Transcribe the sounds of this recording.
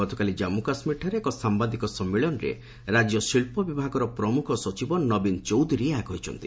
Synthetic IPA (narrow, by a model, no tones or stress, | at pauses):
ɔt̪ʰɔkalid͡ʒamukasmiʈʰɔɾeːkɔsamband̪ikɔsɔmːiɭɔnɔɾḛ | ɾad͡ʒjɔsiɭpɔbibʱaɡɔɾɔpɾɔmukʰɔsɔt͡ʃibɔnɔbint͡ʃowd̪ʱuɾieaɡɔɦit͡ʃʰɔ̰nt̪i̥